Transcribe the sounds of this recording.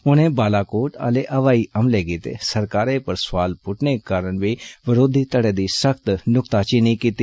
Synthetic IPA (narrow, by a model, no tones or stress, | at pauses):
ʊnẽːbaːlaːkoːʈa̰ːleːʔəʋaːiːʔəmleːɡiːt̪ḛːsəɾkaːɾeːpəɾsʋaːlpʊʈʰneːkaːɾəɳʋiːʋɪɾoːd̪ʱiːt̪əɽeːd̪iːsəkʰt̪nʊkt̪aːt͡ʃɪniiːkiːt̪iː